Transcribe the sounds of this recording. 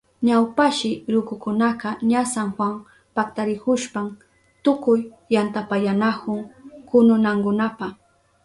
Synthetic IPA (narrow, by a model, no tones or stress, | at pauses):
ɲawpaʃɪɾʊkʊkʊnaqɑɲasaŋxwaŋ | pakt̪aɾɪkʊʃpam | t̪ʊkʊjː | ant̪apajanakʊŋkʊnʊnaŋkʊnapa